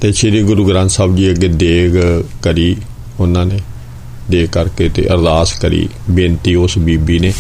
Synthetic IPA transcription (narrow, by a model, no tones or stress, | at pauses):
t̪eːt͡ʃʰeːɾiːɡʊɾuːɡɾãːnt̪saːbd͡ʒiːəɡeːd̪eːkkəɾiː | ʊnãːneː | d̪eːkːəɾkeːt̪ḛːʔəɾd̪aːskəɾḭːbeːnt̪iːʊsbiːbiːneː